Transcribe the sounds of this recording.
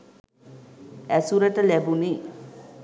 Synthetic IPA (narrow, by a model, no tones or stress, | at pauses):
æsuɾəʈəlæbuni